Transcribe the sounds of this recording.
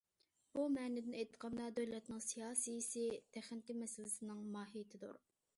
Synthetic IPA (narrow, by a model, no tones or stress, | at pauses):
bumɛːnɪd̪ɪnɛjt̪qʰɑnd̪ɑd̪øwlɛt̪nɪŋsijɑːsijisɪt̪ʰæχnɪkʲimɛsɪlɪsɪnɪŋmɑːɦijt̪ʰɪd̪ṵɾ